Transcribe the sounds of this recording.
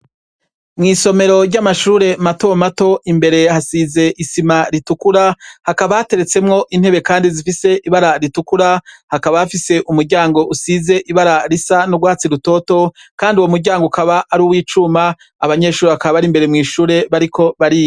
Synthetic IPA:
mŋiːso̞me̞ɾo̞ɾɟamaʃuːɾe̞mato̞mato̞ʔimbe̞ɾe̞hasize̞ʔisimaɾitukuɾahakaβahate̞ɾe̞t͡se̞mŋo̞ʔin̥he̞βe̞kaːndizifise̞ʔiβaɾaɾitukuɾahakaβahafise̞ʔumuɾɟaːŋɡo̞ʔusize̞ʔiβaɾaɾisanoɡwaːat͡siɾuto̞to̞kaːndiwomuɾɟaːŋɡokaβaʔːɾuwiːt͡ʃumaː | βaɲe̞ʃuːɾeβakaββaɾimbe̞ɾe̞mŋiːʃuːɾe̞βaɾikʰo̞βaɾijo

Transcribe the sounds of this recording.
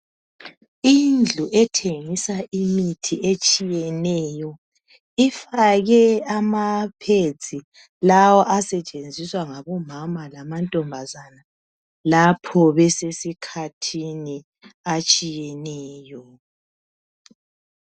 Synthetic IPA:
ind͡ɮʱuʔɛtʰeŋisaʔimitʰiʔet͡ʃʼijɛnɛjɔ | ifaɣɛamapʰet͡sʼi | lawɔʔasɛt͡ʃʼend͡zʱiswaŋaβɔmamalamantʼɔmbʱazana | lapʰɔβɛsesikʰatʰini | at͡ʃʼijɛnɛːjɔ

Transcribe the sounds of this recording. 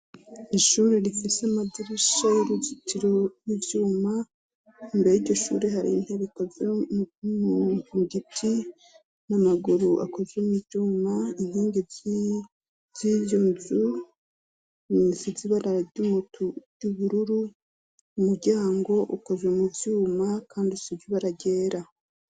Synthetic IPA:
iʃuːɾeɾifiseamadiɾiʃajiɾuzitiɾojivjuːma | imbejiɾɟo̞ʃṵɾehaɾḭn̥heβiko̞zemuuɡitʰi | namaɡuɾuʔa̰ko̞zwemivɟjuːmainiːŋɡe | z̥ijuːzu | siziβanaɾumutu̥ | uβuɾuɾu | umuɾɟaːŋɡo̞ʔuko̞zwemuvjuːmakaːndisiviβaɾaɟe̞ːɾa

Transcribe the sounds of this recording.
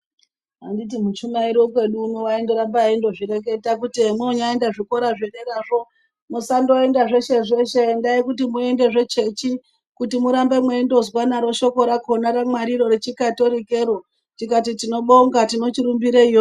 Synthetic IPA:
ɦandit̬imut͡ʃumaiɾiwokwe̞ɗuːnowaendeɾambaindo̞ʐiɾe̞k̬e̞tak̬utemoɲaendaʐiko̞ɾaʐeɗeɾaʐo̞ | musando̞endaʐeʃe̞ʐe̞ʃeːndaikutimue̞nde̞ʐe̞t͡ʃe̞t͡ʃi | kutimuɾambe̞mweendo̞zwanaɾo̞ʃo̞ko̞ɾakonaɾamwaɾiɾo̞ɾet͡ʃikato̞ɾike̞ɾo̞ | tikatitino̞ɓo̞ŋɡatino̞t͡ʃiɾumbiɾeijo

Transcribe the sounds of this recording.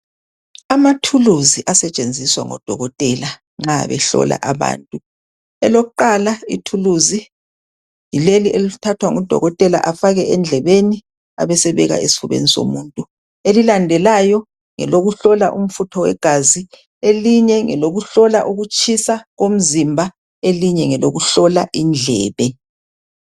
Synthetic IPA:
amatʰuluziʔasɛt͡ʃʼend͡zʱiswa̰ŋɔ̰d̥ʱɔɣɔtʼɛla | ŋ͡ǁa̰βɛ̰ɬɔ̰la̰ʔaβa̰ːntʼu | ɛ̰lokuǃalaḭtʰuluzi | jileliʔelitʰatʰwaŋɔd̥ʱɔ̰ɣɔtʼɛla̰ʔafaɣɛʔɛnd͡ɮʱɛβeni | a̰βɛsɛβɛɣa̰esi̥fuβḛniso̰muːntʼu | elilandʱɛlajɔ | ŋɛ̰loɣuɬɔlaʔum̩futʰɔwɛ̰ɡ̥ʱazi | eliɲɛŋɛloɣuɬɔlaʔuɣut͡ʃʰʼisaɣom̩zimbʱa | eliɲɛŋɛloɣuɬɔlaʔind͡ɮʱɛ̰ːβɛ

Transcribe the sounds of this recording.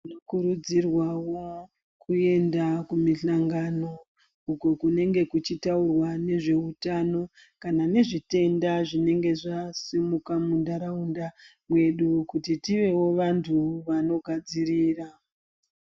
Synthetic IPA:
inokuɾud͡zirwawo̞ | kue̞ndakumiɬaŋɡano̞ | uko̞kune̞ŋɡe̞kut͡ʃitaurwane̞ʐe̞utano̞ | kanane̞ʐite̞ndaʐine̞ŋɡe̞ʐasimukamundaɾaunda | mwe̞ɗukutitiʋe̞wo̞ʋantʰuʋano̞ɡʱad͡ziriːra

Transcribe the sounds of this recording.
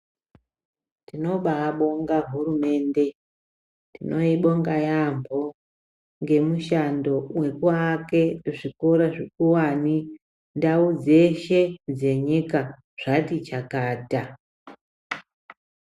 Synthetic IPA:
tino̞ɓaːɓo̞ŋɡaɦurume̞ːnde̞ | tino̞iɓo̞ŋɡajambʱo̞ | ŋɡe̞muʃando̞we̞kwake̞ʐikoɾoʐikuwani | ndaud͡ze̞ʃe̞d͡ze̞ɲika | ʐ̥atit͡ʃakaːta

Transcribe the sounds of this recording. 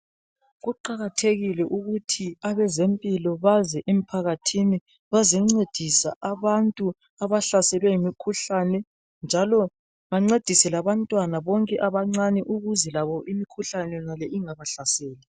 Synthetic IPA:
ɣuǃaɣatʰeɣilɛʔuɣutʰiaβɛzempʼilɔβazɛʔem̩pʰaɣatʰini | βazɛŋ͡ǀed̥ʱisa̰ʔaβantʼu | aβaɬasɛlwɛjimikʰuɬanɛ | nd͡ʒʱalɔ | βaŋ͡ǀed̥ʱisɛlaβantʼwanaβɔŋkʼɛʔaβaŋ͡ǀanɛʔuɣuzɛlaβɔʔimikʰuɬanɛnalɛʔiŋaβaɬasɛːli

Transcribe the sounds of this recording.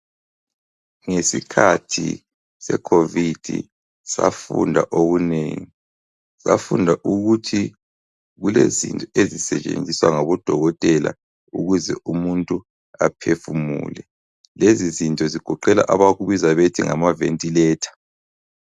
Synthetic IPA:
ŋesikʰatʰḭ | sɛ̰kʰovid̥ʱḭ | sa̰fṵndʱaʔoɣunḛːŋi | sa̰fundʱaʔuɣutʰi | ɣulezḭntʼɔezisɛt͡ʃʼḛnd͡zʱiswa̰ŋaβɔd̥ʱɔɣɔtʼɛla̰ | uɣuzɛʔumuntʼu | apʰefumṵːlɛ | lezizintʼɔziɡ̥ʱɔǃɛla̰ʔaβaɣuβizaβetʰiŋamaventʼilɛːtʰḁ

